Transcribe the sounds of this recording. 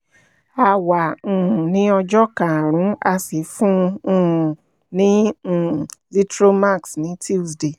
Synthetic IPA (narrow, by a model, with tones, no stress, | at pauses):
a˧wã˨nĩ˨˦ɔ˧d͡ʒɔ˦kã˨a˨ɾ̃ũ˨˦a˧si˨˦fũ˦˨ | nĩ˦˨ | li˦tɾo˦ma˦˨ksnĩ˨˦ti˦˨sde˨